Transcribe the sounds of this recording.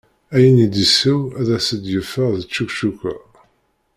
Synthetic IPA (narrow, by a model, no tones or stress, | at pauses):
æjənid̪isuæðæsəd̪jəfəʁðət͡ʃːukʃukʷːæ̰